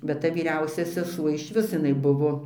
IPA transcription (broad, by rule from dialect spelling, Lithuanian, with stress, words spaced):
bʲɛt ˈtɐ ʋʲiːˈrʲɛʊsʲɛ sʲɛˈsuɔ ɪʃʲˈʋʲɪs jɪˈnɐɪ ˈbʊʋoː